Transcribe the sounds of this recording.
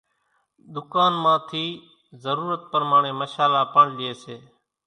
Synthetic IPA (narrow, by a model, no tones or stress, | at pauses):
ɗ̪ʊkaːnmãːt̪ʰiː | zəɾuːɾət̪̚pəɾmaːɳẽːməʃaːlaːpəɳlɪeːseː